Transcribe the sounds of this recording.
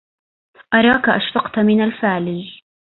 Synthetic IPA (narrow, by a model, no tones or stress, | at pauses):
ʔɑɾˤɑːkaʔaʃfɑqt̪mɪnalfaʕliː